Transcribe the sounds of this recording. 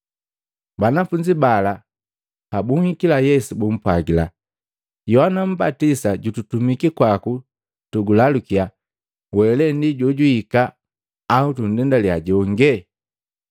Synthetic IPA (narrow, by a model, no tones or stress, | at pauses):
banafuɲd͡ʒibala | habuŋhikilajɛsubum̩pwaɡila̰ | jɔhanam̩batisaɟututumikikwaku | tuɡulalukia | wɛlɛndiɟɔɟuikaː | utun̩dɛndaliaɟɔŋɡɛ